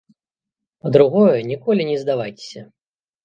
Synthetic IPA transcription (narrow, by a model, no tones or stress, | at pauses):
pɐd̪ɾuɣɔjɛnʲikɔlʲinʲɛzd̪avajtʲe̥sʲɐ